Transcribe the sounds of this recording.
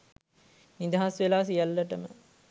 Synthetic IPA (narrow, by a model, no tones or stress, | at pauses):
nid̪aɦasʋelaːsijalːəʈəmə̰